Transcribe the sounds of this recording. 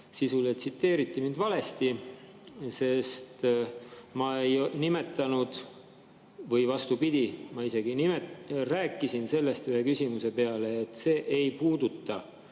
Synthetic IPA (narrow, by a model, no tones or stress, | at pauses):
sisulet̪sit̪ːe̞ːɾit̪ːimind̪vɑle̞st̪i | se̞st̪ | mɑejnime̞t̪ːˑɑnud̪̥ | vɤjvɑst̪upid̪̥ʲimɑise̞ɡinimeræːkːˑisinse̞lːe̞st̪yhe̞kysʲimuse̞pe̞ɑle̞ːt̪ːˑse̞ːʔejpuːd̪ut̪ːˑɑ